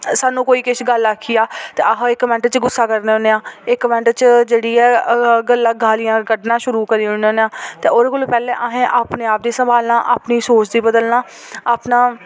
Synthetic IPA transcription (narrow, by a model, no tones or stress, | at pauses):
saːnũːkoːiːkɪʃɡəlaːkʰːiːjaːt̪eːəɦɪkːəmɛ̃ːɳʈt͡ʃɡʊsːaːkəɾneːɦoneːãːɪkːəmɛ̃ːɳʈt͡ʃd͡ʒeːɽiːɛːɡəlːaːɡʱaːlɪjãːɡəɖnãːʃʊɾuːkəɾiːʊɳeõːneːãːt̪eːoːɾekʊlːpɛːlẽːʔaɦẽːʔaːpneːaːp̚d̪iːsəmbaːlnaːʔa̰ːpniːsoːt͡ʃd̪iːbəd̪əlnaː | aːpnaː